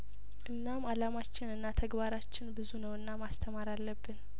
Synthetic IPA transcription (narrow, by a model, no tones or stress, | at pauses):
ʔɨnːamalamat͡ʃːɪnɨnːat̪ʰəɡbaɾat͡ʃːɪnbɨzunəwɨnːamast̪ʰəmaɾalːəbːɨn